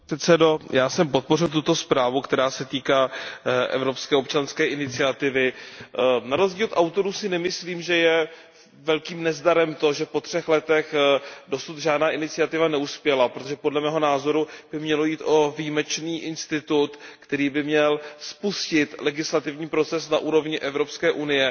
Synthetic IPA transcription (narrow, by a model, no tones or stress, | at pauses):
ɛt̪sɛdojaːsɛmpo̞t̪̚po̞r̝ɪlt̪ut̪o̞spɾaːvukt̪ɛɾaːsɛt̪iːkaːʔɛ̰vɾo̞pskɛːop̚t͡ʃanskɛːʔɪnɪt͡sɪat̪ɪvɪ | naɾo̞zɟiːlot̪ʔawt̪o̞ɾuːsɪnɛmɪsliːmʒɛjɛ | vɛlkiːmnɛzdaɾɛmt̪o̞ʒɛpo̞t̪r̝̥ɛxlɛt̪ɛxdo̞sut̪ʒaːdnaːʔɪnɪt͡sɪat̪ɪvanɛuspjɛlapɾot̪oʒɛpodlɛmɛːɦo̞naːzo̞ɾub̥ɪmɲɛlo̞jiːt̪ʔo̞vijimɛt͡ʃniːʔɪnst̪ɪt̪ut̪kt̪ɛɾiːbɪmɲɛlspuscɪt̪lɛɡɪslat̪ɪvɲiːpɾo̞t͡sɛsnaʔuːɾo̞vɲɪʔɛvɾo̞pskɛːʔunɪjɛ